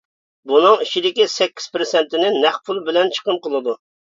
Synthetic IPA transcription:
bunɨŋiʃid̪ɪkʲisɛkʲːi̥z̥pɾɨsɛnt̪ɪnɪnæχpʰulˠbɪlɛnt͡ʃʰə̥qənqəlˠɨd̪u

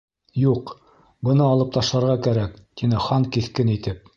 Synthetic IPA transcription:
juq | bɤ̆nɤɑlˠɤp̚t̪ɑʃlˠɑɾʁɑkæɾækt̪inɘχɑŋkiθkɘnit̪ɘp̚

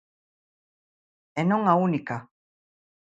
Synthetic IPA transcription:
enoŋaunika

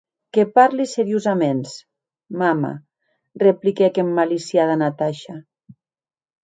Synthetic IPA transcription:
kepaɾliseɾiuzamens | mama̰ | replikekemːalisjaðanat̪aʃa

